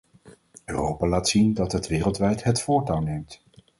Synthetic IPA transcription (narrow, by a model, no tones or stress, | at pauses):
ø̰ːrowpaːlaːtsindɑtɦətʋɪːrəlˠtʋɛjtɦətfʊːɹtawnejmt